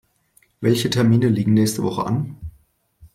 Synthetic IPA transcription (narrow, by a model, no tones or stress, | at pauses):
vɛlçətʰɛɐmiːnəliːɡŋ̩nɛːçstəvɔχə̰ʔa̰n